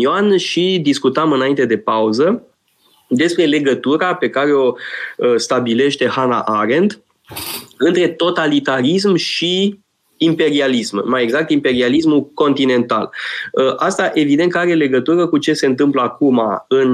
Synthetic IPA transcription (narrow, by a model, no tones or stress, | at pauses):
oanʃid̪iskut̪amɨnaint̪e̞d̪e̞pauzə | d̪e̞spɾe̞le̞ɡət̪uɾape̞kaɾe̞o̞st̪abile̞ʃt̪e̞hana̰ʔaɾe̞nd̪ | ɨnt̪ɾe̞t̪o̞t̪alit̪aɾis̬mʃiː | mpe̞ɾialismːajeɡzak̚t̪impe̞ɾialis̬muko̞nt̪ine̞nt̪a̰lʔast̪aʔe̞vid̪e̞nt̪kəaɾe̞le̞ɡət̪uɾəkut͡ʃe̞se̞nt̪̬ɨmpləakuma̰ɨn